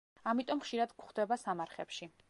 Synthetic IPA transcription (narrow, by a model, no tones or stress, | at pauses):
amit̪ʼɔmχʃiɾad̪kχd̪ɛbasamaɾχɛpʃi